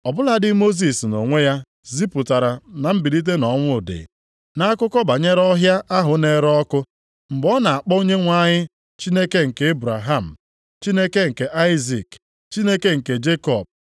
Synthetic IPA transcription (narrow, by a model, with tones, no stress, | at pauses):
ɔ˨bʊ˦la˦dɪ˦mo˦z̬i˨sno˨ŋʷe˦ja˦ | zi˦pʊ˨ta˨ɾa˨na˨m̩˦bi˨di˦t̬e˦nɔ˨ŋʷʊ˦˨dɪ̰˨ | na˦a˦kʊ˦kɔ˦ba˨ɲe˦ɾɔ˦ɦja˦ʔa˦ɦʊ˨ne˨ɾɔ˦kʊ˦ | m̩˨ɡ͡bɔ˦na˨a˨k͡pɔ˦o˦ɲe˦ŋʷa˦ɲɪ˦ | t͡ʃi˦ne˦ke˦ŋ̩˨ke˨˦e˦bɾa˨ɦa˦˨m̩˨ | t͡ʃi˦ne˦ke˦ŋ̩˨ke˨ʔa˦ɪ˦zi˨k | t͡ʃi˦ne˦ke˦ŋ̩˨ke˨d͡ʒe˦kɔ˨b̚